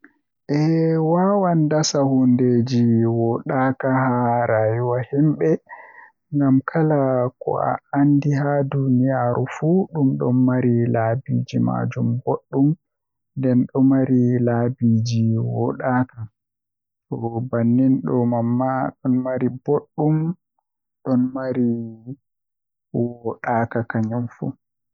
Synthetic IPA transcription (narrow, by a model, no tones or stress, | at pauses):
ʔɛwawandasahundeːd͡ʒiwɔɗakahaɾaːjuwahimɓɛ | ŋɡamkʰalakɔ̰a̰andiɦadunijaːɾʔufuɗumɗɔ̰mːaɾilabid͡ʒima̰d͡ʒumboɗːum | ndɛnɗɔmaɾilabid͡ʒiwɔɗaka | ɗɔbanːinɗɔmamːaɗɔnmaɾiboɗːum | ɗɔnmaɾi | wɔɗakakaɲɔmfṵ